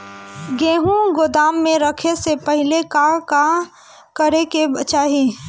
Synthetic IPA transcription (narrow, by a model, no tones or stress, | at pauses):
ɡẽːɦũɡʊd̪aːmːẽɾəkʰesepəɦɪlekaka | kəɾekebət͡ʃaːɦi